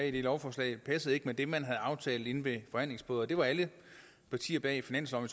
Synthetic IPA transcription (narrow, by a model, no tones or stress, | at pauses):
id̥elɒʊfɒːslɛ̰ɪpʰæsəð̞̩ˠe̝ɡ̥əmed̥emænɦæð̞̩ˠɑ̈ʊt͡sʰɛ̰ːlð̩ˠe̝n̩ʋe̝fɒ̽hæn̰le̝ŋsb̥ɔːðˠɒd̥e̝ʋɑ̈ælə | pʰɑ̈t͡sʰḭːɐb̥ɛ̰ːifinæn̰sɒ̽m